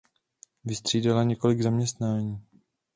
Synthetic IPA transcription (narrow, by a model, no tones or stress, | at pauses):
vɪst̪r̥iːdalaɲɛko̞lɪɡzamɲɛst̪naːɲiː